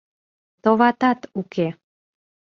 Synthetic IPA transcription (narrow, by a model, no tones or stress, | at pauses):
t̪oβɑt̪ɑt̪uke